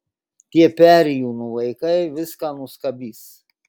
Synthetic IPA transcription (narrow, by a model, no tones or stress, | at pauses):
t̪ʲiɛpʲæːɾʲjuːnuʋɐɪkɐɪʋʲɪskɑːnʊskɐbʲiːs